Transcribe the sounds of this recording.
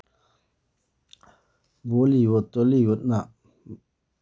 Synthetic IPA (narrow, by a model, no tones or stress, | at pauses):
boliwot̪olijot̪̚na